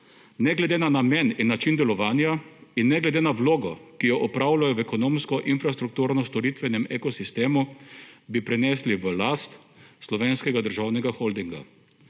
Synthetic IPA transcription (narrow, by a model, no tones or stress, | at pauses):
nɛɡlɛd̪eːnanamɛninːat͡ʃind̪ɛlɔʋaːnjainːɛɡlɛd̪eːnaʋloːɡɔkijɔʔɔpɾaːwlajɔʋɛkɔnoːmskɔʔinfɾast̪ɾuk̚t̪uːɾnɔst̪ɔɾit̪ʋɛnɛmekɔsist̪eːmubipɾɛnɛsliʋəlast̪ | slɔʋeːnskɛɡad̪əɾʒawnɛɡaxɔld̪iŋɡa̰